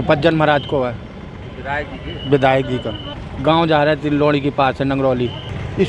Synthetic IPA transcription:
pɐd͡ʒənmɐɾaːd͡ʒkoa | ʋɪd̪ʱaːjək̚ɡiːk̪a | ɡãːõd͡ʒaːɾaɛt̪ɪloːɽ̃ikepaːsɦɛnɐ̃ŋɡɾoːliɪ

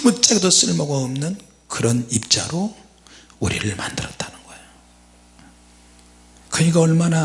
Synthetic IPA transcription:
muk̚t͡ɕ͈eɡdos͈ɯɭmʌɡʌʌmnɯn | kɯɾʌnip̚t͡ɕ͈aɾo | uɾḭɾɯɭma̰ndɯɾʌt͈ʰanɯnɡ̥ʌejo | kɯɲikaʌɭmana

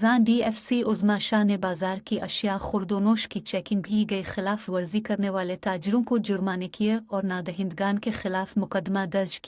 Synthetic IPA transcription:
zãːnɖiːɛːfsiʔʊzmaʃaːɦnebaːzaːɾkiʔɐʃjaxʊɾd̪oːnoːʃkit͡ʃɛːkɪ̃ŋɡbʱiɡɐixɪlaːfʋɐɾzikɐɾneʋaːlet̪aːd͡ʒɪɾõkod͡ʒʊɾmaːnekieɔːɾnaːd̪ɐɦɪ̃nd̪ɡaːnkexɪlaːfmʊkəd̪mad̪ɐɾd͡ʒki

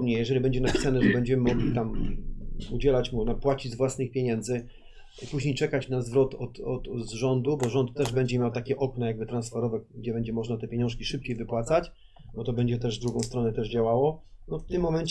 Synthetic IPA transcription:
bɲɛjɛʐɛlʲibɛɲd͡ʑɛnapʲi̥sanɛʐɛbɛɲd͡ʑɛmɘmɔɡlʲit̪am | ud͡ʑɛlat͡ɕmunapwat͡ɕid͡ʑzvwasnɘxpʲjeɲɛnd̪zɘ | puʑɲejt͡ʂɛkat͡ɕnazvɾɔt̪ɔt̪ɔt̪zʐɔnd̪ubɔʐɔnt̪ːɛʐbɛɲd͡ʑɛmʲjawt̪akʲɛʔɔknɔjaɡ̚bɘt̪ɾansfɛɾɔvɛɡd͡ʑɛbɛɲd͡ʑɛmɔʐnat̪ɛpʲjeɲɔ̃ʂkʲiʂɘp̚t͡ɕejvɘpwat̪sat͡ɕ | bɔt̪ɔbɛɲd͡ʑɛt̪ɛʐzd̪ɾuɡɔ̃w̃st̪ɾɔnɛt̪ɛʐd͡ʑawawɔnɔft̪ɘmːɔmɛɲt͡ɕ

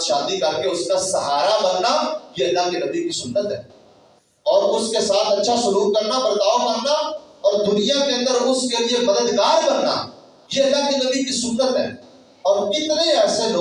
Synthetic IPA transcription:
ʃaːd̪ikɐɾkeʊskasɐɦaːɾabɐnːajeɐlːaɦkenɐbikisʊnːət̪ɦɛ̰ː | ɔːɾʊskesaːt̪ʰɐtːʃʰasʊluːk̚kɐɾnapɐɾt̪aːʋbɐnːaɔːɾd̪ʊnijakeɐ̃nd̪əɾʊskeliemɐd̪əd̪ɡaːɾbɐnːa̰ | jeɐlːaɦkinɐbikisʊnːət̪ɦɛ̰ː | ɔːɾɪt̪neɛːseloː

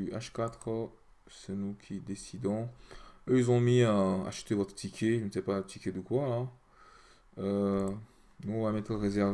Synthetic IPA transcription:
yaʃkat̪χə | sɛnukʲʰid̪esid̪ɔ̃øilzɔ̃miaa̰ʃə̥t̪evɔt̪χə̥t̪ikʲʰeʒənəsɛpat̪ʰikʲed̪əkwaɛ̃ | ø | nũɔ̃vamɛt̪χəʁezɛʁv

